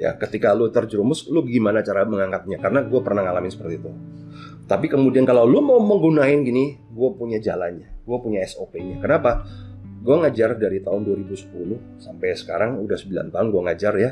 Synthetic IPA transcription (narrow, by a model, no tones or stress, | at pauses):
ja̰kət̪ikalut̪ərd͡ʒɾumʊslubəɡimanat͡ʃaɾaməŋaŋkat̪̚ɲakarənaɡuapərnahŋalamɪnsə̥pərt̪iːt̪u | t̪apikəmudiankalawlumawməŋɡunaɪnɡini | ɡuapuɲad͡ʒa̰lanɲaɡ̥uapuɲaɛsopeɲakənapa | ɡuaŋad͡ʒardaɾit̪aʊnduaɾibusə̥pulʊh | sampajsə̥ka̰ɾaŋudahsəbila̰nt̪aʊnɡuaŋad͡ʒarja